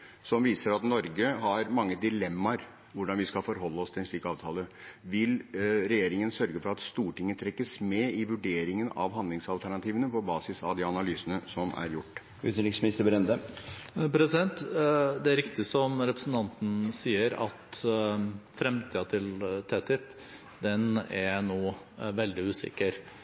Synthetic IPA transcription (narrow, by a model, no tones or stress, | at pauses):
sɔmʋiːsəɾɑt̪nɔɾɡəɦɑɾmɑŋːəd̪ɪlɛmːɑɾ | ʋʊɖɑnʋɪskɑfɔɾɦɔlːəɔst̪ʰɪlɛnfikːɑːʋt̪ʰɑːləʋɪlɾɛjeːɾɪŋənsœɾɡəfɔɾɑt̪st̪uːʈɪŋːət̪ʰɾɛkːəsmɛɪʋʉɖeːɾɪŋənɑ̰ʋɦɑnd̪lɪŋsɑlt̪ʰæɳɑt̪ʰiːʋənəpʰɔbɑːsɪsɑʋd̪ɪɑnɑlyːsənəsɔmæ̰ɾjʊʈː | ʉːt̪ənlɪksmɪnɪst̪əɾbɾɛnd̪ə | pʰɾɛsɪd̪ɛnt̪d̪ɛæɾɪkt̪ɪsɔmɾɛpɾəsn̩t̪ʰɑnt̪n̩siːəɾɑ̰t̪ | fɾɛmt̪ʰiːɑt̪ʰɪlt̪ʰɛt̪ɪpː | d̪ɛnæɾnoː | ʋɛld̪ɪʉːsɪ̰kːəɾ